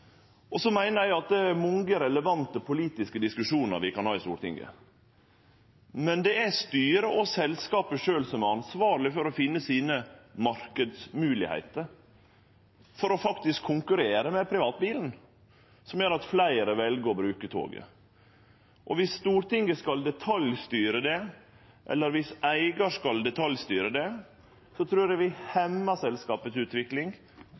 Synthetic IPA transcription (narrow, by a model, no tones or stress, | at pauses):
ʔɔsɔmæɪnəɾjæɪɑt̪̚d̪ɛæɾmɔŋɡəɾɛləʋɑnt̪əpʰʊliːt̪ɪskəd̪ɪskʉʂuːnə̰ɾʋɪkʰɑnhɑːɪst̪ṵːɾʈ̪ɪ̰ŋɡə̰ | mɛnd̪ɛæst̪yːɾəʔɔsɛlskɑːpəʂøːlsɔmɛɑnsʋɑːɾlɪfɔɾɔfɪnːəsiːnəmɑɾkəd̪smʉːlɪ̰hæ̰ɪt̪əɾ | fɔɾɔfɑkt̪ɪskʰːʊŋkʉɾeːɾəmɛpʰɾɪʋɑːt̪̚biːln̩ | sɔmjøːɾɑt̪flæɪəɾəʋɛlɡəɔbɾʉːkət̪ʰo̰ːɡə̰ | ʔɔʋɪsːt̪uːɾʈ̪ɪŋːəskɑld̪ɛt̪ʰɑljst̪yːɾəd̪ɛ | ʔɛ̰lːəɾʋɪsæɪɡɑʂkɑld̪ɛt̪ʰɑljst̪yːɾəd̪ɛ | sɔt̪ʰɾʉːɾæʋɪhɛmːɑsɛlskɑːpət̪sʉːt̪ʋɪklɪŋ